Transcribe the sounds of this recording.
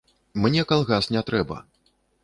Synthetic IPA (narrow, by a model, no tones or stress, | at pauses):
mnʲɛkalˠɣasnʲɛt̪ɾɛbɐ̰